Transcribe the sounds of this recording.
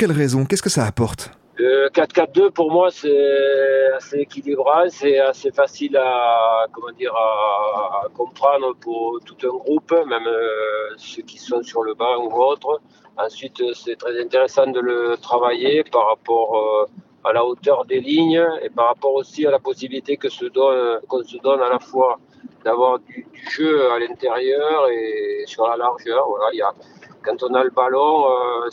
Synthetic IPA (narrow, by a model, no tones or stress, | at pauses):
kʲɛlʁɛzɔ̃kʲɛskəsaːpɔʁt̪ | økat̪kat̪̚d̪øpuʁmwasɛ | aseːkʲilibʁɑ̃sɛasefasilakɔmɑ̃d̪iʁaː | kɔ̃pχɑ̃nd̪ʁəpuʁt̪ut̪ɛ̃ɡʁupmɛmøsəkʲisɔ̃syʁləbɑ̃uɔt̪χə | ɑ̃sɥit̪sɛt̪χɛzɛ̃nt̪eʁesɑ̃d̪ələt̪χavajepaʁapɔʁø | alaot̪œʁd̪eliɲəepaʁːapɔʁosialapɔsibilit̪ekəsəd̪ɔkɔ̃səd̪ɔnalafwa | d̪avwaʁd̪yd̪yʒøalɛ̃nt̪eʁjœʁesyʁlalaʁʒœʁvwalailakɑ̃t̪ɔ̃naləbalɔ̃ø